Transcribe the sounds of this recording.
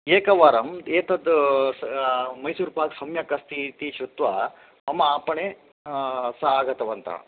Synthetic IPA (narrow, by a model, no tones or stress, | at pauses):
eːkɐʋaːɾɐmeːt̪ʰɐd̪ | mɐjsuːɾpaːksɐmjɐkɐst̪ʰit̪iʃut̪ʋɐ | ɐmɐaːpɐɳe | saːɡɐt̪ɐʋɐnt̪ʰɐ̰